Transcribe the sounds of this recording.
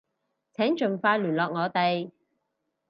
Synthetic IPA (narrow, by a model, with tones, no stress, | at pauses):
t͡sʰɛː˨˥ŋt͡ʃɵ˨nfaː˧jlyː˨˩nlɔː˨k̚ŋɔː˨˧t̪e˨j